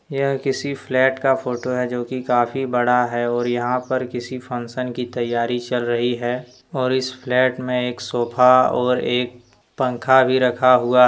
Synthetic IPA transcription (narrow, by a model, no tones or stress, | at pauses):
jɐɦkɪsiflɛːʈkafoːʈoɦɛd͡ʒoːkikaːfibɐɽaɦɛɔːɾjɐɦãpɐɾkɪsifʰɐ̃nsənkit̪ɐjːaːɾit͡ʃɐlɾɐɦiɦɛː | ɔːɾɪsflɛːʈmẽeːksoːpʰaɔːɾeːk̚ | pɐ̃ŋkʰabʱiɾɐkʰaɦʊa